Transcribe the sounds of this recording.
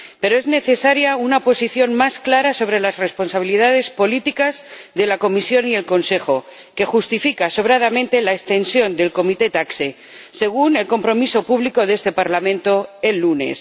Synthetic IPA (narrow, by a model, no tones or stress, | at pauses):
pe̞ɾoe̞zne̞θe̞saɾjaunapo̞siθjo̞nmasklaɾaso̞β̞ɾe̞lasre̞spo̞nsaβiliðað̞e̞spo̞lit̪ikazðe̞lako̞misjo̞nie̞lko̞nse̞xo̞ | ke̞xust̪ifikaso̞βɾaðamẽnt̪e̞laest̪e̞nsjo̞nd̪e̞lko̞mit̪e̞t̪akse | se̞ɣ̞une̞lko̞mpɾo̞miso̞puβliko̞ðe̞st̪e̞paɾlamẽ̞nt̪o̞e̞lːune̞̰s